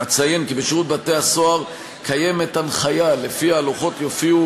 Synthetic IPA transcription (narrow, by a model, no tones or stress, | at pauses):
at͡saje̞nkibeʃiʁut̪̚bate̞hasoaʁ | kʰaje̞me̞t̪anχajale̞fiaːloχo̞t̪jofiu